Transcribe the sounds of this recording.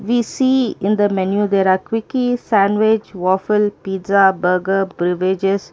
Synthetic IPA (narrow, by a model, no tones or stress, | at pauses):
ʋiːsiːɪ̃nd̪əmɛnjud̪eːɾaːkwɪkisæ̃nʋɪd͡ʒʋɔːfəlpiːzabəːɡəbɾɪʋɪd͡ʒes